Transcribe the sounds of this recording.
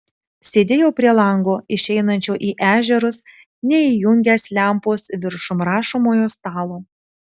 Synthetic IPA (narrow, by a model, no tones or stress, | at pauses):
sʲeːd̪ʲeːjoʊpʲɾʲiɛlˠɐŋɡoːɪʃʲɛɪnɐnʲt͡ʃʲoːʔiːʔæːʒʲɛɾʊs | nʲɛiːjʊŋʲɡʲæːslʲæˑmpoːsʋʲɪɾʃʊmɾɑːʃomoːjoːst̪ɑːlˠoː